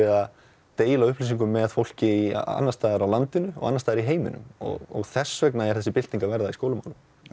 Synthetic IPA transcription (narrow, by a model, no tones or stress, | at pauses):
ɛa | t̪eːjlaʏhplisiŋkʏmːɛðfowl̥cɪḭa̰nːast̪aːðɛɾawlant̪ɪnʏɔ̰ɣa̰nːast̪aːðɾiɦeːjmɪ̰nʏ̰mɔ̰ɣɔ̰ɣθɛsːvɛknaɛ̥θɛsːɪpɪl̥t̪niŋkavɛɾðaiskoːwlʏma̰wlʏm